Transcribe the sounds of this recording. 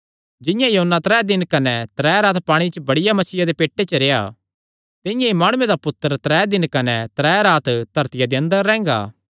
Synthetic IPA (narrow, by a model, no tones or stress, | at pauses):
d͡ʒɪ̃jãjɐɦənːat̪ɾɛːd̪ɪnkɐnɛ̃t̪ɾɛːɾaːt̪paːɽ̃it͡ʃbɐɽɪjamɐsiːjad̪epeːʈːet͡ʃəɾeːja̰ | t̪ɪ̃jãimaːɽ̃ʊẽd̪apʊt̪ːəɾt̪ɾɛːd̪ɪnkɐnɛ̃t̪ɾɛːɾaːt̪d̪̥ʱɐɾt̪ɪjad̪iɐ̃nd̪əɾːɛ̃ːŋɡa̰ː